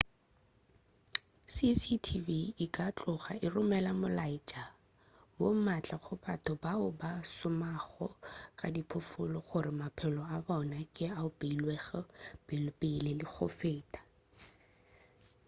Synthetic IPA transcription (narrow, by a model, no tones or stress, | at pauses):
sisitʰiviːkʼat͡ɬʼʊχa̰ʔɪrʊmɛlamʊlaɪt͡ʃʼa | womat͡ɬʼaχʊbatʰʊbaʊbasʊmaχɔkʼadipʰʊfʊlɔχʊrɪmapʰɛlɔabɔnakʼɪaʊpʼeilweɣɛpɪlpɪlelɪk͡xʰʊ̰feːtʼḁ